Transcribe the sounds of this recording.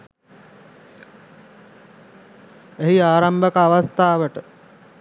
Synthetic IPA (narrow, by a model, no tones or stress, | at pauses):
eɦiaːɾambəkəaʋast̪aːʋəʈə